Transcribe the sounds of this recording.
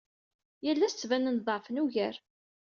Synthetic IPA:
jælːæst͡sːvænənðˤɑfənuʝəɾ

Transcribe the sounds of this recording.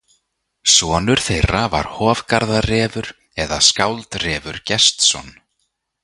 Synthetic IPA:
svɔːnʏɾ̥θejrːava̰ɾ̥hɔːvkaɾðarɛːvʏɾ | ɛðaskawlt̪rɛːvʏɾ̥cɛst̪sɔ̰n

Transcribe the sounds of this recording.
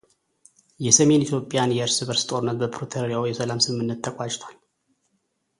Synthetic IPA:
jɛsəme̞nit̪ʰjo̞pʼːjanjɛɨɾsɨβəɾst̪ʼo̞ɾɨnːət̪bəpʰɾot̪ʰəɾəɾjawjɛsəlamsɨmːɨnːət̪ːəkʼat͡ʃʼt̪ʰwal

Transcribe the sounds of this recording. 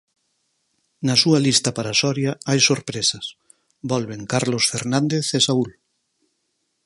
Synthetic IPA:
nɐsuɐlist̪ɐpaɾasɔɾjaajsoɾpɾesɐs | bɔlβeŋkaɾlosfeɾnãnd̪eθesaul

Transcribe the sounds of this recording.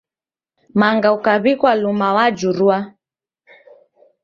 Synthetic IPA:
maŋɡaukaβikwalumawad͡ʒuɾua

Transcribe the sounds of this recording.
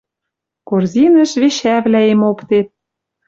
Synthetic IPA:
korzʲinə̆ʃβeʃæβlæemokt̪et̪̚

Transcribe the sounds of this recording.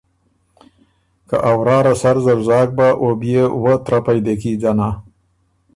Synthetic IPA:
ka̰ʔawɾɑːɾasaɾzaɾzɑːk̚baʔobjewət̪ɾapajd̪ek̬id͡ʒana

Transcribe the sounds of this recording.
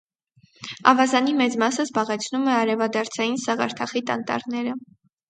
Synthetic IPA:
ɑ̰vɑzɑnimɛt͡smɑsəzbɑʁɛt͡sʰnumɛɑɾɛvɑd̪ɑɾt͡sʰɑjinsɑʁɑɾt̪ʰɑχit̪ɑnt̪ɑ̰ɾnɛɾə

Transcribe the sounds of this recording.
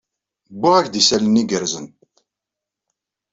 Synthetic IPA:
bːʊʁæçd̪isæləniɡəɾzənt̪

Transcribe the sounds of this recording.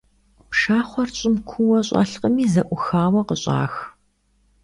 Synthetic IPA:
pʂaːχʷɔrt͡ɕʼɪmkʷʰʊwɐɕʼa̰ːɬqəmiːzɐʔʷʊxaːwɐqəɕʼa̰ːx

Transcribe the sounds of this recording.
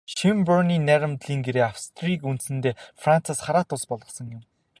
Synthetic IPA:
ʃimpɔrniːnæɾə̆mt̪ɮiːŋɡeɾeːawst̪ʰrikunt̪sɘ̆nt̪eːfran̥t͡sasχaɾaːt̪ʊɮspɔɮʁɞ̆sə̆ŋjʊ̆m

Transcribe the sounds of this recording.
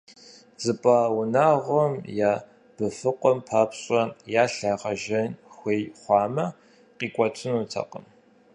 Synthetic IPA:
zɨpʼaːwʊnaːʁʷɔmjaː | b̥ɨfɨqʷʼɔmpʰaːpʰɕʼɐjaːɬaːʁɐʒɐnxʷejχʷɑːmɐ | qiːkʷʼɔtʰɨnuːtʰɐ̰qə̰m

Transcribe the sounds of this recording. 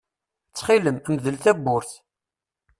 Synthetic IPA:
t͡sːχiləmmðəlθæbːʊɾθ

